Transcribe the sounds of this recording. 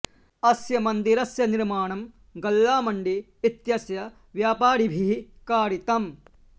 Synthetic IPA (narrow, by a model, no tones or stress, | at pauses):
ɐsjɐmɐnd̪iɾɐsjɐniɾmaːɳɐm | ɡɐlːaːmɐɳɖiː | t̪jɐsjɐ | ʋjaːpaːɾibʱikaːɾit̪ɐm